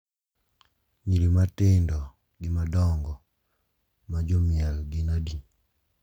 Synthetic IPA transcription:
ɲiɾimatɪndɔ | ɡɪmadɔŋɡɔ | mad͡ʒomjalɡɪnadi

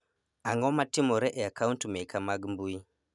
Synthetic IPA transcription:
aŋɔmatimɔɾɛʔeakauntumekʰamaɡimbui

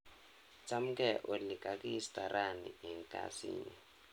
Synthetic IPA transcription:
t͡sʰʼam̩kʼɛʔolikʼakʼiistʼaraniɛŋkʼa̰sḭːni

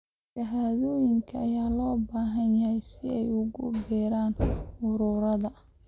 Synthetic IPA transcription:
ʃɐɦaːðɔːjɪŋkʰɐːjaːlɔːbaːɦɐnjɐhɛjsɪɛ̰jʊɣʊ̰bɛːɾaːnʊɾʊɾɐðɐ

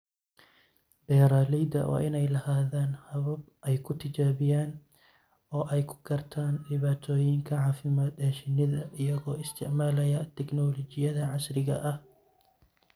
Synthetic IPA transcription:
b̥ɛːɾaːlɛjd̪ɐ̰wɑ̰ːʔɪnɛjlɐhaːðaːnhɐβɐb | ʔɛjkʰʊt̪ʰɪt͡ʃaːβɪjaːn | ɔːʔɛjkʰʊ̥ɡɐrt̪ʰaːnɖɪβaːt̪ʰɔːjɪŋkʰɐʕaːfɪmaːd̪ɛːʃɪnɪðɐʔɪjɐɣɔːɪst̪ʰɪʕmaːlɐjɐt̪ʰɛɡnɔːlɔt͡ʃɪjɐðɐʕɑsrɪɣɐ̰ʔɐh

